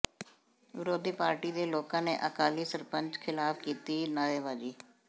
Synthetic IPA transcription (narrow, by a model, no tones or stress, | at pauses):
ʋɪɾoːd̪ʱiːpaːɾʈiːd̪eːloːkãːnḛːʔəkaːliːsəɾpəɲt͡ʃkʰɪlaːpkiːt̪iːnaːjeːʋaːd͡ʒiː